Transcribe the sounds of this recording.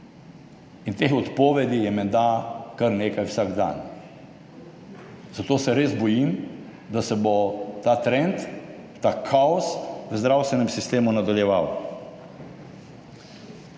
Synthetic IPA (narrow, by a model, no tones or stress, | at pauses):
int̪eːxɔt̪poːʋɛd̪ijɛmɛnd̪akaɾneːkajwsaɡd̪a̰ːn | zat̪oːsɛɾeːzbɔjim | d̪asɛbot̪aːt̪ɾɛnt̪ː | akʰaɔsʋəzd̪ɾawst̪ʋɛnɛmsist̪eːmunad̪aljɛʋaw